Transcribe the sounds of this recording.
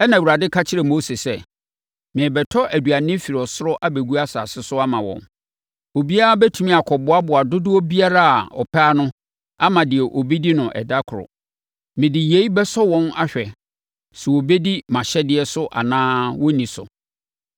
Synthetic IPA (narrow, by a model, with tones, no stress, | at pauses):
ɛ˦nã˨ɾa˨dɪ˦kʰa˦t͡ɕʰɪ˦ɾɛ˨mo˦se˨sɛ˦ | mɪ̃˨ɛ˨bɛ˨tʰɔ˦ʔæ˨du˨a˨nɪ̃˦fi˨ɾɔ˨sʊ˦ɾɔ˦ʔa˦be˨ɡu˦a˦sa˨sɪ˦sʊ˦a˦mã˨wɔ̰̃˨n | o˨bi˦a˦a˦bɛ˦tʰũ˦mĩ˦a˨kʰɔ˨bʊ˦a˦bʊ˨a˨dʊ˦dʊ˦wɔ˦bi˦a˦ɾa˦a˨ɔ̰˨pʰaː˦nʊ̃˦ | a˦mã˨dɪ˨ɛ˨ʔo˨bi˦di˦nʊ̃˨ʔɛ̰˨da˦kʰʊ˨ɾʊ̰˨ | mɪ̃˨dɪ˨je˨˦i˦bɛ˦sɔ˦wɔ̃˦na˦ɕᶣɛ˨ | sɛ˨wɔ˨be˦di˦mã˨ɕɛ˦dɪ˦ɛ˦sʊ˦ʔa̰˨nãː˦wɔ˦nĩ˨sʊ̰˨